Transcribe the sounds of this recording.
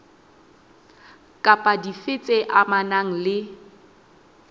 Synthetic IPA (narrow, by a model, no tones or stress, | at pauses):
kʼapʼadifɪt͡sʼeʔamanaŋ̩lɪ